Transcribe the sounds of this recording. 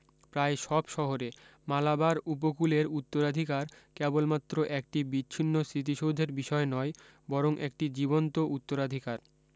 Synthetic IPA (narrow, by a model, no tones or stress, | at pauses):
pɾaeʃɔbʃɔɦoɾemalabaɾup̬okuleɾut̪ːoɾad̪ʱikaɾkɛbolmat̪ːɾoʔɛk̚ʈibitːɕʰinːosɾit̪̬iʃod̪ʱeɾbiʃɔenɔe | bɔɾoŋʔek̚ʈid͡ʑibont̪oʔut̪ːoɾad̪ʱikaɾ